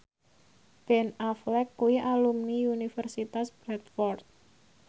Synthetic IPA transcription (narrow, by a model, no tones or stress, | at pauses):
b̥ɛnaflɛkːuwiʔalumniunifɛrsit̪asb̥ɾɛt̪fɔrt̪̚